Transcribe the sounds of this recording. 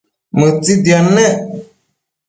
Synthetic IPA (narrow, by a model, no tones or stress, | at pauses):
mətidianːɛ̃